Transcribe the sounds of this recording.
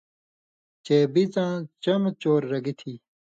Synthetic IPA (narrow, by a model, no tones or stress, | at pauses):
t͡ɕeːbit͡sãːt͡ɕɐmt͡ɕoːɾːɐɡit̪ʰiː